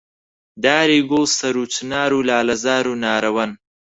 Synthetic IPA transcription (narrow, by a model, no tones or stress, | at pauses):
d̪ɑːɾiɡoːsɐɾut͡ʃnɑːɾulɑːlazɑːɾunɑːɾɐwan